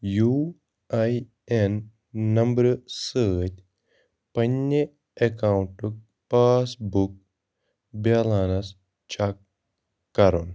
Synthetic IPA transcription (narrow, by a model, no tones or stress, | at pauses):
juː | aj | enː | ɐmbɾsəːt̪ʲ | pɐnːe | ekaːwɳʈuk̚ | paːsbuk̚ | baːlaːnɐs | t͡ʃakː | ɐɾṵn